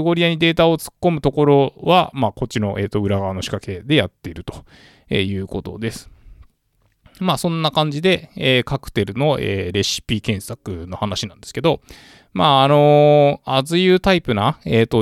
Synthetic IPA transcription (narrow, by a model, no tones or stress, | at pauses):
ɡo̞ɾʲijaɲ̟id̪e̞ːt̪ao̞t͡sɨ̥kːo̞mɯ̟t̪o̞ko̞ɾo̞βamaːko̞t͡ɕino̞ʔe̞̰ːt̪ːo̞ɯ̟ɾaɡaano̞ɕi̥kake̞d̪e̞jat̪ːe̞iɾɯ̟t̪o̞̥ | ḛːjɯ̟ːko̞t̪o̞̰d̪e̞sɨ̥ | maːsõ̞nːakãɲ̟d͡ʑid̪e̞eːkakɯ̟̥t̪e̞ɾɯ̟no̞ḛːɾe̞ɕi̥pʲikẽ̞ɰ̃sakɯ̟no̞hanaɕinãnd̪e̞sɨ̥ke̞d̪o̞ | maːno̞azɨjɯːt̪aipɯ̟naeːt̪ːo